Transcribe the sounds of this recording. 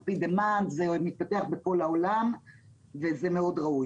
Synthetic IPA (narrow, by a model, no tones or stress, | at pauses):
pid̪emand̪zemit̪̚pat̪e̞aχbeko̞lao̞lam | ve̞zeme̞o̞dʁauj